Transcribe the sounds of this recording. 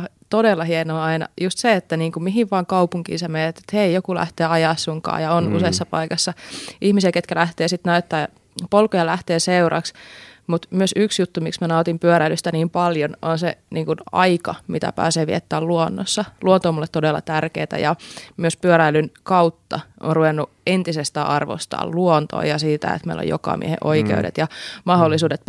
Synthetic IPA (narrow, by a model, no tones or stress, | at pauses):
t̪odelːɑhienoːɑinɑ̰just̪seet̪ːæniːŋkumiɦiʋʋɑːŋkɑupuŋkḭːnsemeːet̪ːe̥t̪heijokulæ̰ht̪eːɑjɑːˑssuŋkɑ̰ːjɑonṵseisːɑpɑ̰ikɑsːɑʔihmisiæket̪kælæht̪eːsit̪næyt̪ːæː | polkojɑlæht̪eːseuɾɑ̰ksmut̪myøsyksjut̪ːumḭksmænɑot̪impyøɾæilyst̪æniːmpɑljononsḛniːŋkunɑ̰ikɑmit̪æ̰pæ̰ːseːʋiḛt̪ːæːluonːosːɑluont̪oːmulːet̪ːodelːɑ̰t̪ærkeːt̪æ̰jɑmyøspyøɾæilynkɑut̪ːɑʔonruʋenːu | ent̪isest̪æɑrʋo̰st̪ɑ̰ːlluont̪o̰ːjɑsiːt̪æ̰ḛt̪mḛilːo̰jo̰kɑ̰mḭḛhḛʔoikḛudḛt̪jɑmɑɦolːisuːdet̪̚